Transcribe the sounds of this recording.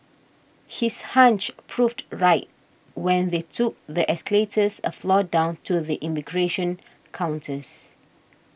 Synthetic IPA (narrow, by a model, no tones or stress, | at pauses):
hishãnt͡ʃpʰɹuftɹaɪt̚ | wɛ̃nðetʰuk̚ðəʔɛskəletʰəsə̰flɔdãʊ̃ntʰuðiʔimiɡɹeʃə̃n | kʰãʊ̃ntəs